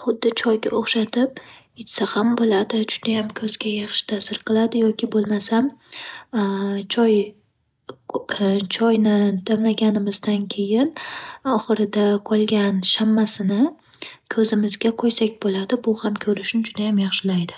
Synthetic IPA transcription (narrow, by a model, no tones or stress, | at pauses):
χʊd̪ːɪt͡ʃʰɒjɡʲa̰ʔoχʃat̪ʰɪp̚ | ɪt͡ʃsahambolad̪ɪd͡ʒʊd̪̥ajamkʲʰɵzɡʲajɑχʃɪ̥t̪ʰasɪɾqʰɨlˠad̪ɪjɒkʲʰɪbolˠmasam | t͡ʃʰɒj | t͡ʃʰɒjnɪd̪amlaɡʲanɪmɪzd̪ankʲʰe̞jɪnɒχɨɾɪd̪aqʰɒlˠɡʲanʃamːasɪnɪkʰɵzɪmɪzɡʲaqʰojsakʲbolad̪ɪbʊhamkʲʰɵɾɪʃnɪd͡ʒʊd̪ajamjɑχʃɪlajd̪ɪ